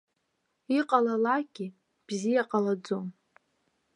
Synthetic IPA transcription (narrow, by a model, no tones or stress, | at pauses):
iqʼalalaɡ̥ʲi | b̥zijaqʼalad͡zom